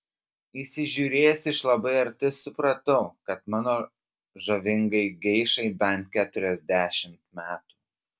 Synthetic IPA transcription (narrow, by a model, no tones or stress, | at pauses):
iːsʲɪʒʲuːɾʲeːjsʲɪʃlˠɐbɐɪɐɾʲt̪ʲɪsʊpɾɐt̪ɐʊkɐt̪mɑːnoː | ʒɐʋʲɪŋɡɐɪɡʲɛɪʃɐɪbʲɛnt̪̚kʲæːt̪ʊɾʲɛzʲd̪ʲæːʃʲɪmt̪mʲæːt̪u̥ː